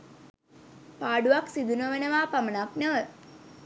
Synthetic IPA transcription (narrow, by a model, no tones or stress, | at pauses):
paːɖuʋaksid̪unəʋenəʋaːpamənaknəʋə